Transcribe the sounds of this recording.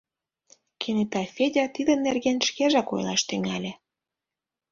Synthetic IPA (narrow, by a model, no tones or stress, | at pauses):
kʰenet̪ɑfʲedʲɑt̪id̪ə̆nːerɣenʃkeʒɑko̰jlˠɑʃt̪yŋælʲĕ